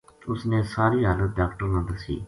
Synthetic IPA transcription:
ʊsnẽːsaːɾiːɦaːlət̪̚ɖaːkʈəɾmə̃ːnd̪əɾsḭː

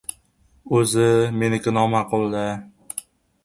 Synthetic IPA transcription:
ɵzɪmenɪkʲɪnɒmaqʰʊlˠd̪ɪ

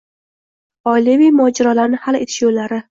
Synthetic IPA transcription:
ɒjlevijmɒːd͡ʒaɾɒlaɾnɪhalet̪ʰɪ̥ʃjolːaɾɪ

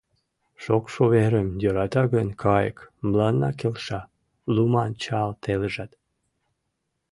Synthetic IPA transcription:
ʃokʃoβeɾəmjoɾɑt̪ɑɣənkʰɑjkmlɑnːɑ̰kelʃɑ | lumɑnt͡ɕɑlt̪ʰeləʒɑt̪

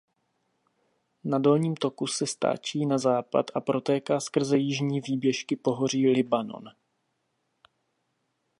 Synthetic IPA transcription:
nado̞lɲiːmt̪o̞kusɛst̪a̰ːt͡ʃiːnazaːpa̰t̪ʔapɾo̞t̪ɛːkaːskr̩zɛjɪʒɲiːviːbjɛʃkɪpo̞ɦo̞r̝iːlɪbano̞̰n

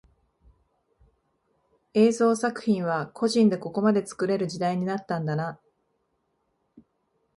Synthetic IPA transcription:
e̞ːzo̞ːsakɯ̟̥çʲĩɰ̃β̞akʰo̞ʑĩnd̪e̞ko̞ko̞mad̪e̞t͡sɨ̥kɯ̟ɾe̞ɾɯ̟ʑid̪aiɲ̟inat̪ːãnd̪ana

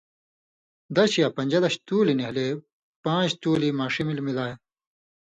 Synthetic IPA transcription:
d̪ɐɕijapɐ̃ɲʲd͡ʑɐd̪ɐɕt̪uːlineɦle | pãːt͡ɕt̪uːlimaːʂimilmilaːje

